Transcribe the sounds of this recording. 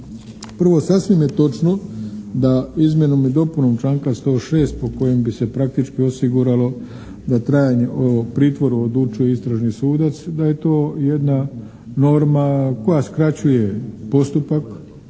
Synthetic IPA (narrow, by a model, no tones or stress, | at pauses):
pr̩ʋo̞sasʋimje̞t̪o̞t͡ʃno̞d̪aizmʲje̞numid̪o̞punomt͡ʃlaːŋkast̪o̞ːʃe̞ːst̪̚po̞ko̞je̞mbise̞pɾak̚t̪it͡ʃkio̞siɡuɾalo̞ | d̪at̪ɾaːjaɲe̞ʔopɾiːt̪ʋo̞ɾuod̪lˠut͡ʃujeist̪ɾaʒnisuːd̪at̪sd̪aje̞t̪o̞ːjed̪na | no̞ɾmako̞jaskɾat͡ɕuje̞po̞st̪upak